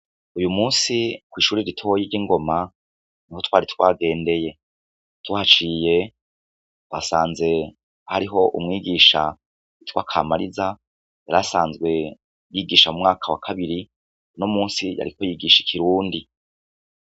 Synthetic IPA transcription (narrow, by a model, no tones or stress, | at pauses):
ujumuːnsikwiːʃuːɾiɾitʰojiɾɟiŋɡo̞ma | niho̞twaːɾitwaːɡe̞ːnde̞je̞ | twaːt͡ʃiːje̞ | twa̰saːnze̞ | haɾiɦo̞ʔṵmŋiːɡiːʃa̰ | itwa̰ːkʰaːmaɾiza | jaɾasaːnzɡwe̞ | jiːɡiːʃamumŋaːkʰawakʰaβiɾi | nomuːnsija̰ɾiko̞jiːɡiːʃi̥kʰiɾuːndi